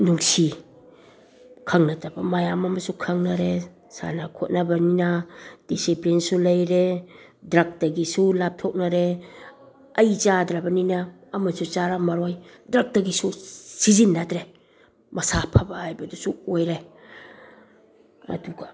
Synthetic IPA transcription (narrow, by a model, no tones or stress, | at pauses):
nuŋsi | kʰaŋnatabamajamamɐsukʰaŋnaɾe | sa̰nakʰot̚nabɐninad̥isiplinsulɐjɾe | dɾak̚daɡisulap̚tʰɔk̚naɾe | ɐjt͡ʃadɾabɐninaː | masut͡ʃaɾamaɾojdɾak̚daɡisusizinːatɾe | mɐsapʰabahajbɐdusuojɾe | ɐ̰duɡa